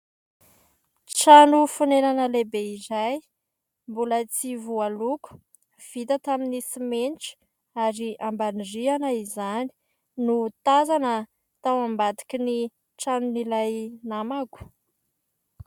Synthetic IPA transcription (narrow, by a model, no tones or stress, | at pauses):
ʈ͡ʂanufunenanəlebeizaj | mbulət͡sivualuku̥ | v̥it̪ət̪aminisimenʈ͡ʂi̥ | aɾiʔambanirianaizani̥ | nut̪azanə | t̪awambat̪i̥kʲini | ʈ͡ʂanunilajnamaku̥